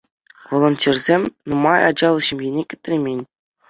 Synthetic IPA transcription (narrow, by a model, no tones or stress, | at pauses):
ʋolˠŏnʲtʲerʲzʲemʲnɤ̆mɑjɑ̰d͡ʑɑlˠɤ̆ɕɘ̆mʲjenʲekʲɘ̆t̪ʲrʲemʲenʲ